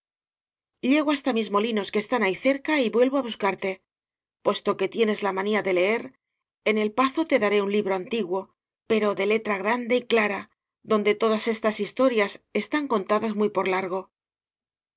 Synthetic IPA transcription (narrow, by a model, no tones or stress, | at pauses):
ʎe̞ɣ̞oast̪amizmo̞lino̞skest̪anaiθe̞ɾkaiβwe̞lβo̞aβuskaɾt̪e̞ | pwe̞st̪o̞ke̞t̪je̞ne̞zlamaniaðe̞le̞e̞ɾ | e̞ne̞lpaθo̞t̪e̞ðaɾe̞unliβɾo̞ant̪iɣwo̞ | pe̞ɾo̞ðe̞le̞t̪ɾaɣ̞ɾand̪e̞iklaɾa | ðo̞nd̪e̞t̪o̞ðase̞st̪asist̪o̞ɾjase̞st̪aŋko̞nt̪aðazmujpo̞ɾlaɾɣ̞o̞